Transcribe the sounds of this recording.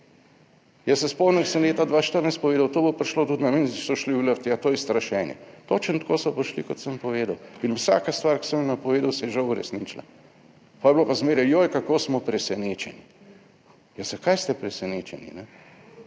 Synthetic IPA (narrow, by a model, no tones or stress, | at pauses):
jasɛspɔwnəksəmleːt̪ad̪ʋaːʃt̪əɾnajst̪pɔʋeːd̪awt̪oːbopaɾʃloːt̪ut̪nɐmenisɔʃliləɾt̪jat̪oːjɛst̪ɾaʃɛːnjɛ̰t̪oːt͡ʃənt̪koːsɔpaʃlikot̪səmpɔʋeːd̪awinʊsa̰ːkast̪ʋaɾksəmjnapɔʋeːd̪awsɛjɛʒawuɾɛ̰snit͡ʃla̰ | pɔjblopazmeːɾjɛjojkakoːsmɔpɾɛsɛneːt͡ʃɛni | jazakajst̪ɛpɾɛsɛneːt͡ʃɛnḭnɛ